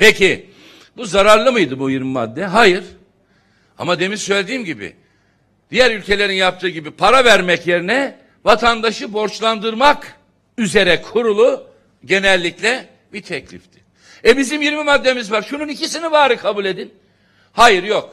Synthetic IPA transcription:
pecʰi | buzaɾaɾlˠɯmɯjd̪ɯbujiɾmima̰d̪ːɛɦajɯɾ̥ | a̰mad̪e̞mizsøjlʲed̪iːmɟibḭ | d̪̥ijæɾylʲcʰe̞lʲe̞ɾinjap̚t̪ʰɯːɟibipʰaɾavæɾmɛcje̞ɾinɛ | vat̪ʰand̪aʃɯbo̞ɾt͡ʃlˠand̪ɯɾmak | yze̞ɾɛkʰuɾulˠu | ɟe̞nɛlʲːiclʲɛ | bit̪ʰɛclʲḭft̪ʰɪ̥ | ɛbizimjiɾmimad̪ːe̞mizvaɾʃununicʰisinivaːɾɯkʰabulʲe̞d̪in | hajɯɾjok

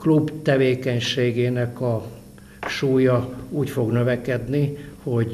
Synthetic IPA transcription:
klubt̪ɛveːkɛɲʃeːɡeːnɛkɒ | ʃuːjɒuːcfo̞ɡnø̞vɛkɛd̪niho̞ɟ

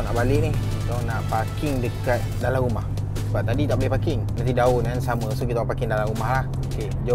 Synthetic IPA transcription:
naʔbalɪʔnɪhit̪anaʔpakɪŋdəkat̪̚dalamumah | səbap̚t̪adit̪aʔbolɛhpakɪŋnant̪̬idaonansamə̃sokit̪apakɪŋdalamumahlah | oke | d͡ʒa

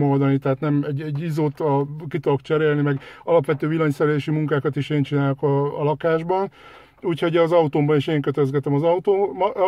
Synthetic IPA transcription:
mold̪ɒnit̪ɛɦaːt̪nɛmɛɟːɛɟːizoːt̪ɒkit̪ookt͡ʃɛɾeːlnimɛɡɒlɒpʋɛt̪øːʋilɒɲsɛɾɛleːʃimuŋkaːkɒt̪iʃeːnt͡ʃinaːlokɒːlɒkaːʒbɒn | uːchoɟɛːzɒut̪oːmbɒneʃeːŋkøt̪ɛzɡɛt̪ɛmɒzɒut̪oːm

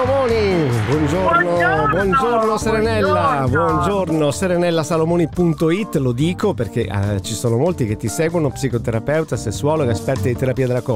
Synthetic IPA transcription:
omɔːnibwɔnd͡ʒornobwɔnd͡ʒornoseɾenɛlːabwɔnd͡ʒornoseɾenɛlːasalomɔːnipunt̪oit̪ːlod̪iːkoperk̟eʔt͡ʃisoːnomolt̪ik̟et̪ːisɛːɡwonopsikot̪eɾapɛwt̪asesːwaːlokeaspɛt̪ːait̪eɾapiːad̪elakɔ

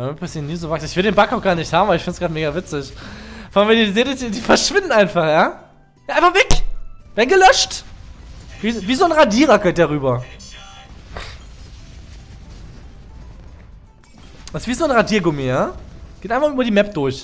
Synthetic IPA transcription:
mpʰɛsinuːzovaksɪçv̥ɪldeːnbakaʊxɡ̥aːɐnɪçthaːmvabɪçfɪntsɡ̥ʁaːtmeːɡavɪt͡sɪçfɔalnviɐdizeːlədidiːfɛɐʃv̥ɪndnaɪnfaχjaː | jaːʔaɪnfaχv̥ɛkv̥ɛːɐdn̩ɡəlœʃt | viviːzoːnʁadiːʁɐɡʰɛt̚d̥aʁyːbɐ | asv̥iːzoːnʁadiːɐɡʊmejḁːeːtʔaɪnfaχʔybɐdiːmɛp̚d̥ʊɐç

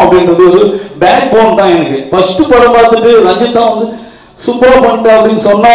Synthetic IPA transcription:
ɐpɐɽinɾɐðɯɔɾɯbaːk̚boːnt̪ãːɛnɯkːɯfɐsʈːɯpːɐɽɐpaːɾt̪ɯʈːɯɾɐd͡ʒjɐt̪ːãːʋɐnd̪ɯ | sʊpːɾaːpɐɳːɪʈːɐɐpːɐɽinːɯsɔnːaː

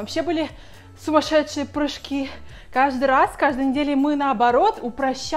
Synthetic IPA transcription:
ɐpɕʲːebɨlʲɪ | sʊmɐʂɛt̪ʂɨjəpɾɨʂkʲi | kaʐd̪ɨɾaskaʐd̪ɨjnʲɪdʲelʲɪmɨnəɐbɐɾo̞t̪ʊpɾɐɕː

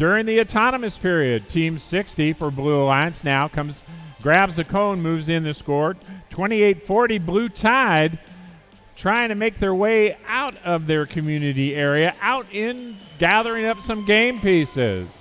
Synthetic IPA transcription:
d̥ʊɹɪ̃ŋðiɨtʰɑnəmɨspʰɪɹiɨd̚tʰĩmsɪkstifə˞bluəlãɪɨ̃nsnaʊkʰʌ̃mzɡɹæbzɨkʰõʊ̃nmʉvzɨ̃nðɨskɔɹtʰw̥ɛ̃ɾ̃ieɪtfɔɹɾiblʉtʰaɪd̚ | tʰɹ̥aɪɪ̃ŋtʰɨmeɪk̚ðə˞weɪaʊɾʌvðə˞kʰɨmjʉnɨɾiɛɹiɨʔaʊɾɪ̃nɡæðə˞ɪ̃ŋʌpsʌ̃mɡẽɪ̃mpisɪ̰z̥

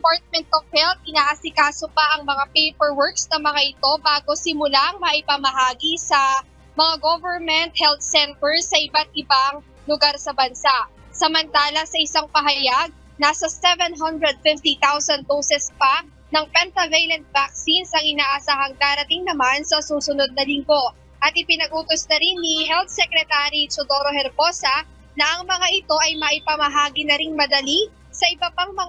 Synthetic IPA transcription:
dɛpaɹt̪̚mɛnt̪ovhɛlt̪̚ʔɪnaːʔɐsɪkaːsopɐʔɐŋmɐŋapejpɛɹwɔɹk̚snɐmɐŋaʔɪt̪o̞baːɡo̞sɪmʊlaʔɐŋmɐʔɪpɐmɐɦaːɡisɐ | mɐŋaɡovɛɹmɛnt̪̚hɛlt̪̚sɛnt̪ɛɹsːɐʔɪbat̪̚ɪbaŋ | lʊɡaɾsɐbɐnsaʔ | sɐmɐnt̪aːlɐsɐʔɪsaŋpɐɦɐjaɡ̚ | nasɐsɛvɛnɦɐnd̪ɾɛd̪̚fɪft̪it̪awsɐnd̪̚d̪oːsɛspa | nɐŋpɛnt̪ɐvɛjlɐnt̪̚vak̚sinsɐŋɪnaːʔɐsaːɦɐŋd̪aːɾɐt̪iŋnɐmansɐsuːsʊno̞d̪̚nɐlɪŋɡo̞ | ʔɐt̪̚ʔɪpɪnɐɡ̚ʔuːt̪osnɐɾinːiɦɛlt̪̚sɛkɾɛt̪aɾit͡ʃod̪oːɾohɛɾbo̞ːsɐ | nɐʔɐŋmɐŋaʔɪt̪o̞ʔɐjmɐʔɪpɐmɐɦaːɡinɐɾiŋmɐd̪ɐli | sɐʔɪbɐpaŋmɐ

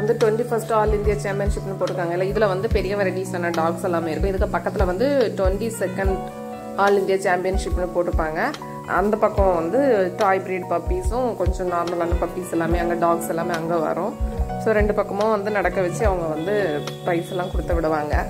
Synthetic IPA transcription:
ɐnd̪ɯʈʋɛɳʈifɐsʈaːlɪnd̪jaːt͡ʃaːmpɪjɐnʂɪpːɛnːɯpoːʈːɾɯkːaːŋɡɐɪlːaːɪðɪlɐʋɐnd̪ɯpɛɾɪjɐʋɐɾɪɖiːsɐnːɐɖaːɡsɛlːaːmeːɪɾɯkːʊ̃ɪðɯkːɯpɐkːɐt̪ːɪlɐʋɐnd̪ɯʈʋɛɳʈisɛkːɐɳɖ | aːlɪnd̪ɪjaːt͡ʃaːmpɪjɐnʂɪpːɪnɯpoːʈːɾɯpːaːŋɡɐ | ɐ̰nd̪ɐpɐkːɐ̃ʋɐnd̪ɯʈaːjpɾeːɖpɐpːiːsʊ̃kɔɲd͡ʒɔ̃naːɾmɐlɐːnːɐpɐpːiːsɛlːaːmeːɐnd̪ɐɖaːɡsɛlːaːmeːɐŋɡeʋɐ̰ɾʊ̃soːɾɛɳɖɯpɐkːɐmõʋɐnd̪ɯnɐɽɐkːɐʋɛt͡ʃːɯɐʋɐŋɡɐʋɐnd̪ɯ | pɾɐɪʈsɛlːãːkʊɽɯt̪ːɐʋɪɽɯʋaːŋɡɐ

